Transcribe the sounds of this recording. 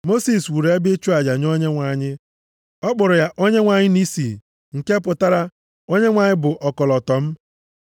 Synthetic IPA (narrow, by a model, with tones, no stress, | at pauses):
mo˦si˨swu˨ɾe˦bɪ˦t͡ʃu˦a˨d͡ʒa˨ɲ˦o˦ɲe˦ŋʷa˨ɲɪ˦ | ɔ˦k͡pʊ˨ɾʊ˨ja˦ʔo˦ɲe˦ŋʷa˨ɲɪ˦ni˦si˨ | ŋ̩˨ke˦pʊ˨ta˦ɾa˦ | o˦ɲe˦ŋʷa˨ɲɪ˦bʊ˨ʔɔ˨kɔ˨lɔ˨tɔ˨m̩˦